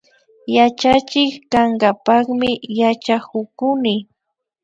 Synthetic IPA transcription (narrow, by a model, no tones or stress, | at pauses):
jat͡ʃat͡ʃɪkkaŋɡapɑχmɪjat͡ʃakʊkʊnɪ